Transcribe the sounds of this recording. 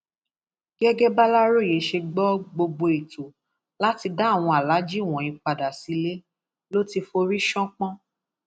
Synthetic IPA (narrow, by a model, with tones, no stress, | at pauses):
ɡɛ˦ɡɛ˦ba˦la˦ɾo˦˨je˨˦ʃe˧ɡ͡bɔ˦ɡ͡bo˧ɡ͡bo˧i˨to˨ | la˦ti˧da˦˨w̃ɔ̃˧a˨la˨˦d͡ʒi˦˨w̃ɔ̃˨ĩ˧k͡pa˨da˨si˨˧˦le˦ | lo˦ti˧fo˧ɾi˦ʃɔ̃˦k͡pɔ̃˦